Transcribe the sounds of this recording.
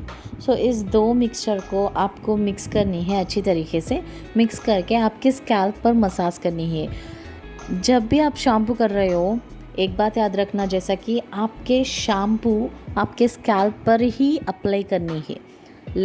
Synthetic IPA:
soːʔɪs̬d̪oːmɪkst͡ʃəɾkoʔaːpkomɪkskɐɾniɦɛ̃ɐtːʃʰit̪ɐɾiːxese | mɪkskɐɾkeaːp̚keskɛːlpːɐɾmɐsaːskɐɾniɦɛː | d͡ʒɐbːʱiaːpʃãːmp̬ukɐɾːɐɦeɦo | eːk̚baːt̪jaːd̪ɾɐkʰnad͡ʒɛːsakiaːp̚keʃaːmpuaːpkeskɛːlpːɐɾɦiɐplaːikɐɾniɦɛ̰ː | l

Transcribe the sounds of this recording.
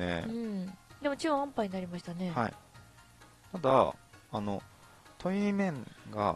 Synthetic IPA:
ḛɯ̟̃ɴd̪emo̞t͡ɕĩãmpaiɲ̟ĩnaɾʲimaɕi̥t̪ane̞haḭ | t̪ad̪a̰ano̞ | t̪ʰoimẽ̞ŋɡa̰

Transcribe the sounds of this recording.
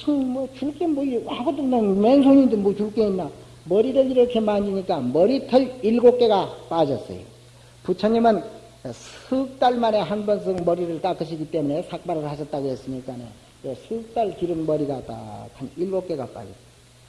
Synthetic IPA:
sɯmʌt͡ɕuɭk͈emoiaɡodonʌnmensʰoɲimdɯnbot͡ɕuɭk͈einːa | mʌɾiɾɯɭiɾʌkʰe̞maɲd͡ʑiɲik͈amʌɾitʰʌɭiɭɡok͈e̞ɡap͈ad͡ʑʌs͈ʌ̰jo̰ | put͡ɕʰʌɲimɯn | sup̚t͈aɭmane̞ɦanbʌns̬ʰɯŋmʌɾiɾɯɭt͈ak͈ɯɕʰiɡit͈e̞mune̞sʰak̚p͈aɾɯɭhaɕʰʌt̚t͈aɣohe̞s͈ɯmɲik͈anḛ | esʰup̚t͈aɭkiɾɯnmʌɾiɡata̰kʰanilɡok͈e̞ɡa̰p͈a̰d͡ʑʌ̰t

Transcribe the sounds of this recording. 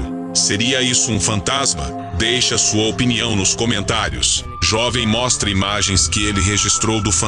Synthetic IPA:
seɾiɐisʊũfɐ̃nt̪azmɐ̰ | d̪ejʃɐsuɐopiniɐ̃w̃nʊskomẽnt̪aɾjʊ̰s | ʒɔvẽj̃mɔst̪ɾɐimaʒẽj̃skɪelɪɦeʒist̪ɾowd̪ʊfɐ̃

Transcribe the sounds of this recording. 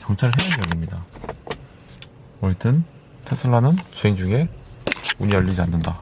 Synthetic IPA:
kjʌŋt͡ɕʰaɾɯɭɦʰeaʌlimɲida | ʌɭit͈ʰɯn | tʰesʰɯɭːanɯnt͡ɕueŋd͡ʑuŋe̞ | uɲijʌʎːid͡ʑianːɯnda

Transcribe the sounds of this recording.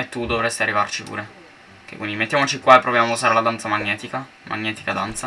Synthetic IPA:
et̪ːud̪ovɾest̪iarːivart͡ʃipṵːɾe | kḛkwind̪imet̪ːjamot͡ʃikwaepːɾovjamouzaːɾelad̪ant̪samaɲːɛːt̪ika | mʔa̰ɲːɛːt̪i̥kad̪ant̪sa

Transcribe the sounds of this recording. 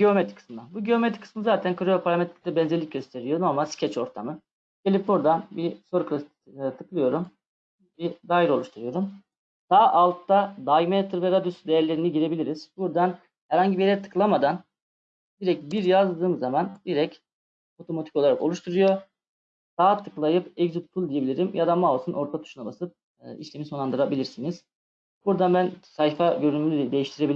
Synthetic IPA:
ɟeomet̪i̥kʰɯ̥smɯd̪anbuɟeo̞met̪ʰi̥kʰɯ̥smɯzaːt̪ʰænkʰɯɾujpʰaɾamɛt̪ʰɾʲlʲɛbɛnzelʲic̚ɟø̞st̪ʰe̞ɾijono̞ɾmalʲscʰɛt͡ʃo̞ɾt̪ʰa̰mɯ | ɟ̥e̞lʲip̚buɾd̪anbiso̞ɾukɯ | t̪ʰɯklˠɯjo̞ɾum | bid̪aːjiɾo̞lˠuʃt̪ʰuɾujo̞ɾum | d̪̥aːʔalˠt̪ːad̪aɡmet̪ʰɯɾvɛɾad̪osd̪ejæɾlʲe̞ɾiniɟiɾe̞bilʲiɾiz̥buɾd̪an | hæɾhaɲɟibijeɛɛt̪ʰɯ̥klˠamad̪an | d̪̥iɾɛc̚biɾjazd̪ɯːmzamand̪iɾɛc | o̞t̪ʰo̞mat̪ʰico̞lˠaɾa̰ko̞lˠuʃt̪ʰuɾujo̞ | d̪̥aːt̪ʰɯklˠajɯpɛɡzut̪t̪ʰulˠd̪ijebilʲiɾimjad̪amaːlˠsɯnʔo̞ɾt̪ʰat̪ʰu̥ʃunabasɯp̚ː | ḭʃlʲemiso̞nˠand̪ɯɾabilʲiɾsiniz̥ | b̥uɾd̪anbænsajfaɟøɾynymlʲyd̪e̞jiʃt̪ʰiɾebilʲ

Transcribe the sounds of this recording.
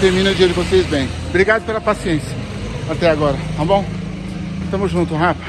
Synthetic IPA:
t̪eɾmĩnʊd͡ʒiɐɾd͡ʒɪvosejzbẽj̃bɾiɡad̪ʊpelɐpasiẽsiɐ | at̪ɛaɡɔɾɐt̪ɐ̃bõw̃ | ɪʃt̪ɐ̃mʊzʒũnt̪ʊɦã

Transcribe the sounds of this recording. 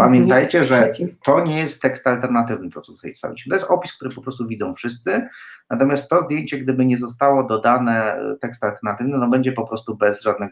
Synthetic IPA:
pamʲjɛnt̪ajt͡ɕɛʐɛt̪ɔɲɛjɛst̪ːɛkst̪alt̪ɛɾnat̪ɘvnɘt̪ɔt̪sɔt̪u̥t̪ajḭfst̪a̰vʲḭɕmɛt̪ɔjɛst̪ɔpʲiskt̪uɾɘpɔpɾɔst̪uvʲid̪zɔ̃w̃fʂɘst̪sɘnat̪ɔmʲjast̪ːɔzd̪jeɲt͡ɕɛɡd̪ɘbɘɲɛzɔst̪awɔd̪ɔd̪anɛt̪ɛkst̪alt̪ɛɾnat̪ɘvnɛnɔbɛɲd͡ʑɛpɔpɾɔst̪ubɛzʐad̪̚nɛɡ

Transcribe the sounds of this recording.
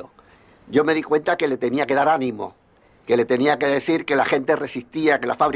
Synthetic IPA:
o | ɟ͡ʝo̞me̞ðikwe̞nt̪ake̞le̞t̪e̞niake̞ðaɾanĩmo̰ | ke̞le̞t̪e̞niake̞ðe̞θiɾke̞laxe̞nt̪e̞re̞siht̪iake̞lafaβɾi

